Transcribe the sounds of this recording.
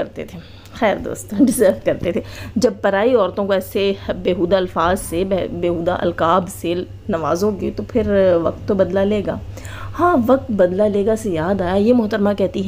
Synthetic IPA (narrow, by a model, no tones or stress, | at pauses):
ɐɾt̪ḛt̪ʰeː | xɛːɾd̪o̰ːst̪õːɖɪzəːɾʋkɐɾt̪et̪ʰed͡ʒɐb̚pɐɾaːiɔːɾt̪õkoɛːsebeːɦuːd̪aɐlfaːzsebbeːɦuːd̪a̰ʔɐ̰lkaːbse | nɐʋa̰ːzõket̪opʰɪɾʋɐ̰k̚t̪ːobɐd̪laleːɡa̰ː | hãːʋɐk̚t̪bɐd̪laleːɡasejaːd̪aːjajemʊɦt̪əɾmakɛɦt̪iɦɛ̃